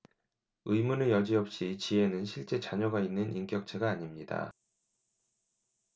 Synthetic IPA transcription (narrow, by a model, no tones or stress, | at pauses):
ɯjmunɯjʌd͡ʑiʌp̚ɕ͈it͡ɕie̞nɯnɕʰiɭt͡ɕ͈e̞t͡ɕaɲʌɡainːɯnʔink͈jʌk̚t͡ɕʰe̞ɡaːɲimɲida̰